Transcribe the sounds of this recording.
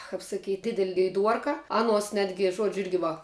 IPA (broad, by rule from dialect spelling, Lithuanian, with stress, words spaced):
kɐp sɐˈkʲiːtʲ ˈdʲɪdʲɛlʲ ɡʲɛɪˈduɔrkɐ ˈɑːnuɔs ˈnʲæːdʲɡʲɪ ˈʒuɔd͡ʒʲʊ ˈɪrʲɡʲɪ ʋɐ